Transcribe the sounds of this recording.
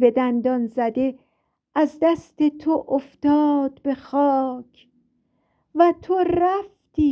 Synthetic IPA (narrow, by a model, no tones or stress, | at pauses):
be̞d̪ænd̪ɒnzæd̪e̞ | ʔæzd̪æst̪e̞t̪ʰoʔoft̪ɒːd̪̥̚be̞xɒːkʰ | væt̪ʰoɾæft̪iː